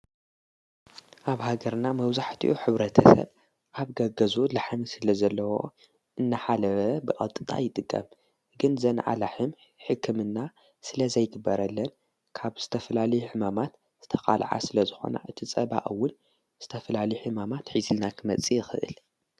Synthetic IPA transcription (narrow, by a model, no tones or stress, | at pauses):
ʔaβhaɡɐɾnamɐβzaħt̪ʰiʔuħɨβɾɐt̪ʰɐsɐ̰β | ʔaβɡɐɡɐzulaħmisɨlɐzɐlːɐwo̞ | ʔɨnːaħalɐβbɨkʼɐ̰lt̪ʼɨt̪ʼa̰jɪt̪ʼɨkʼːɐ̰m | ɡɨnzɐnʔa̰laħɨm | ħɨkʰːɨmɨnːa | sɨlɐzɐjɡɨbːɐɾɐlːɐn | kʰaβz̥ɨt̪ʰɐfɐlalɐjħɨmamat̪ | z̥ɨt̪ʰɐkʼa̰lʕa̰sɨlɐzɨxo̞̰na̰ʔɨt̪ʰit͡sʼɐba̰ʔɨwːʊn | z̥ɨt̪ʰɐfɐlalɐjuħɨmamat̪ħizɨlnakʰɨmɐt͡sʼːijɪxɨʔɨ̰l